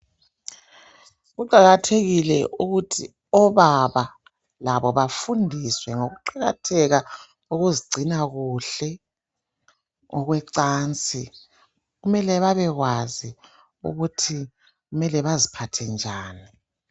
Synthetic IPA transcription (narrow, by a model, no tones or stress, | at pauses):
ɣuǃaɣatʰeɣilɛ̰ʔuɣutʰi | ɔβaβa | laβɔβafundʱiswɛŋoɣuǃaɣa̰tʰɛɣa | uɣuziɡ͡ǀʱinaɣuɬɛ | ɔɣwɛǀaːnt͡sʼi | ɣumɛlɛβaβɛɣwazi | ṵɣutʰi | ɣumɛlɛβazipʰatʰɛnd͡ʒʱaːni